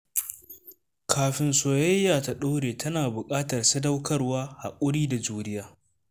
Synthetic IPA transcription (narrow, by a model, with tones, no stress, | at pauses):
kʰaː˨ɸɪ˨nsoː˨jɐ˦jːaː˨ta˨ɗoː˦ɽeː˨tɐ˦naː˨bʊ˨kʼaː˦tɐ˨rsɐ˦dɐ˦wkʰɐ˦rwaː˦ha̰˨kʷʼʊ˦ɽiː˦da˨d͡ʒuː˦nɪ˦jaː˦